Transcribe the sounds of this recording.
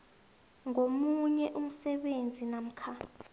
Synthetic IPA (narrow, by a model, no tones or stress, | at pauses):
ŋomuɲɛʔum̩sɛɓend͡zʱinam̩kʰa